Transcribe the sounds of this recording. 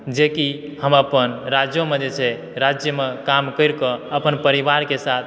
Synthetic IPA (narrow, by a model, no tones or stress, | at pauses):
d͡ʒeki | həməpənɾad͡ʒjomed͡ʒet͡ʃʰɛ | ɾad͡ʒjəmekamkəɪɾkɔəpənpəɾiʋaɾkesat̪̚ʰ